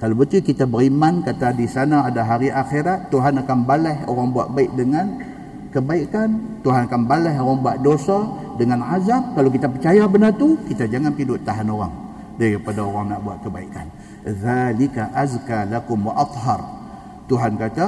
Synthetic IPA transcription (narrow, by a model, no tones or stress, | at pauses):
kalobət̪ikit̪abəɾimankat̪adisanaːdaɦaɾiʔaxeɾat̪ːuɦanakanbalɛhoɾaŋbua̰ʔ̚baɪk̚dəŋan | kəbaikant̪uɦanakanbalɛɦoɾaŋbuaʔ̪̚dosa | dəŋanazam̚kalokit̪apərt͡ʃajabənart̪ukit̪ad͡ʒaŋanpidʊʔt̪ːaɦanoɾa̰ŋ | daɾipadaoɾaŋnaʔbuaʔ̪kəbaika̰n | ðalikaʔazkalakʊmwaʔɑt̪ˤɦɑr | t̪uɦankat̪a